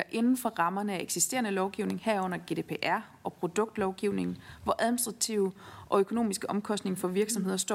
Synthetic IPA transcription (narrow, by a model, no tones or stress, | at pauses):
ʔe̝nn̩fɒ̽ʁɑ̈mɐnəæeɡ̥sisd̥e̝ːɐnəlɒʊɡ̥iʊne̝ŋhæɐ̰ɔ̽n̰ɐɡ̥e̝̰d̥e̝ːpʰe̝ʔæɐ̰ | ɒ̽pʰʁo̝d̥ɔ̽ɡ̥d̥lɒʊɡ̥iʊne̝ŋn̩ʋɒʔæðˠinisd̥ʁɑ̈t͡sʰiʊəʔɒ̽økʰo̝no̝̰ːmisɡ̥əʔɒ̽mkʰɒ̽sd̥ne̝ŋfɒ̽ʋiɐɡ̥sɒ̽mɦhe̝ð̞̰ˠɐsd̥ɒ̰